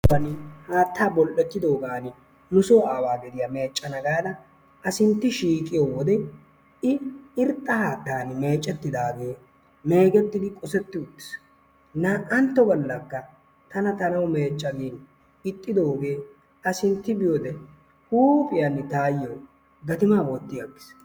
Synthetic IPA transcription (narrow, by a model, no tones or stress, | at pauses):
ɐnɪhaːt̪ːaːbɔlʔɛt̪ːɪd̪o̞ːɡaːnɪ | nʊsoːaːwaːɡɛd̪ɪjɐme̞ːt͡ʃʼːɐnɐɡaːd̪ɐ | ɐsɪnt̪ːɪʃiːkʼɪjoːwɔd̪ɛ | ɪɪɾt̪ʼːɐhaːt̪ːaːnme̞ːt͡ʃʼːɛt̪ːɪd̪aːɡe̞ː | me̞ːɡɛt̪ːɪd̪ɪkʼɔsɛt̪ːɪʊt̪ːɪ̥s | nɐʔɐnt̪ːɔbɔlːɐkːɐ | t̪ɐnɐt̪ɐnɐwme̞ːt͡ʃʼːɐɡeːn | ɪt̪ʼːɪd̪o̞ːɡe̞ː | ɐsɪnt̪ːɪbɪjoːd̪ɛ | huːpʼɪjɐnt̪aːjoː | ɡɐt̪ɪmaːboːt̪ːɪjaɡːɪ̥s